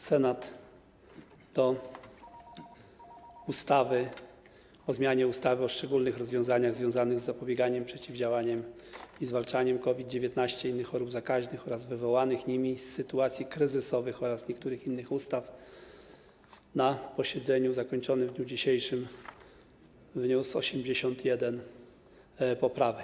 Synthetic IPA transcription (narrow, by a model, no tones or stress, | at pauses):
sɛnat̪ | ɔ | ust̪avɘ | ɔzmʲjaɲɛust̪avɘɔʂt͡ʂɛɡulnɘxɾɔzvʲjɔ̃w̃zaɲaɣzvʲjɔ̃w̃zanɘɣzːapɔbʲjɛɡaɲɛmpʂɛt͡ɕivd͡ʑawaɲɛmizvalt͡ʂaɲɛmkɔvʲid̪̚d͡ʑevʲjɛt̪naɕt͡ɕɛinːɘxɔɾubzakaʑnɘxɔɾazvɘvɔwanɘxɲimʲisːɘt̪uat̪sʲjikɾɘzɘsɔvɘxɔɾasɲɛkt̪uɾɘxinːɘxust̪af | napɔɕɛd̪zɛɲuzakɔɲt͡ʂɔnɘvd̪ɲud͡ʑiɕejʂɘm | vɲusɔ̰ɕɛmd͡ʑeɕɔnt̪jɛd̪ɛn | pɔpɾavɛk